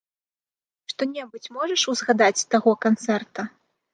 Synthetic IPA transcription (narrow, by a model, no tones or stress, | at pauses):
ʂt̪ɔnʲɛbɨt͡sʲmɔʐɐʂuzɣad̪at͡sʲst̪aɣɔkant̪sɛrt̪ɐ